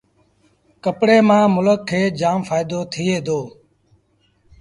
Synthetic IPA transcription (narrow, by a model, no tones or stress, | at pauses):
kəpɽeːmãːmʊləkʰːeːd͡ʒaːmfaːɪd̪oːt̪ʰɪːeːd̪oː